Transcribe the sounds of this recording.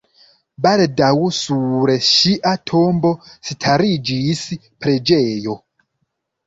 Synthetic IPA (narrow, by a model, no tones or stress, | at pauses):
baldawusuɾeʃiʔatʰombositʰaɾid͡ʒis | pɾed͡ʒeːjo